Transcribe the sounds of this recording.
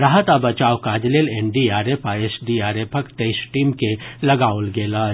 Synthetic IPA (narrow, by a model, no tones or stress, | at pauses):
ɾaɦət̪abɐt͡ʃaːwkaːd͡ʒleːleːnɖiaːɾepʰaeːsɖiaːɾepʰɐkʈeːsʈiːmkelɐɡaːolɡeːlaː